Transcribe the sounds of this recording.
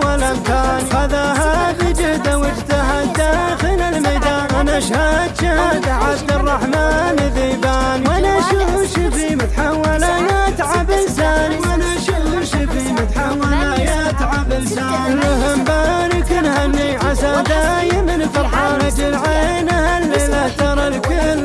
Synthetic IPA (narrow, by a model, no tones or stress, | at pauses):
walamt̪aːnixaðaɦabid͡ʒɪhd̪awɪd͡ʒt̪aɦad̪axɪlalmajd̪aːnʔanaʃhad̪ʃahaːd̪aʕab̚d̪ɨrˤːɑħmaːnɪðiːbaːniwanaʃʊʃɪbimʊt̪ħawːalajat̪ʕabɪlsaːniwanaʃuh | ʃibimʊt̪ħawːalaja | t̪ʕabɪlsaːlːʊɦambaːnikʊnhanːiʕasad̪aːjɪmɪnfɑɾˤħaːnad͡ʒɪlʕenahalːilaht̪ɑɾˤɑlkʊl